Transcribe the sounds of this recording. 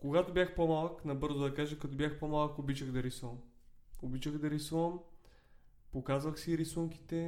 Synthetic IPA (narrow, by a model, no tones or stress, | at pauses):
koɡat̪obʲjaxpomalˠknɐbɤɾzʊd̪ɐkaʒɐkɐt̪ɔbʲjaxpomalˠkobit͡ʃəɣd̪ɐɾisuvəm | obit͡ʃəɣd̪ɐɾisuvəm | pokazvɐxsiːɾɛsuŋkʲi̥t̪ɛ